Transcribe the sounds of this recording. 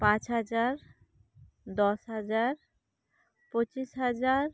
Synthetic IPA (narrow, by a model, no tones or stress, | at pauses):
pãt͡ɕɦad͡ʑaɾ | d̪ɔʃɦad͡ʑaɾ | pot͡ɕiʃɦad͡ʑaɾ